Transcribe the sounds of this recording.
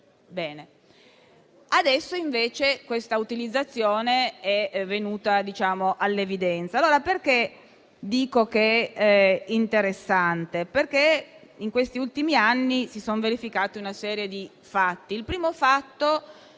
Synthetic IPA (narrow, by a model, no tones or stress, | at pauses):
bɛːne | ad̪ɛsːoiɱveːt͡ʃekwest̪aut̪ilid̪zːat̪sːjoːneɛvːenuːt̪ad̪it͡ʃaːmoʔalːevid̪ɛnt̪saːloːɾaperk̟e | d̪iːkokeɛ | int̪eɾesːant̪eperkeiŋkwest̪iult̪imianːisisonveɾifikaːt̪iunasɛːɾjed̪i | fat̪ːiːlpɾiːmofat̪ːo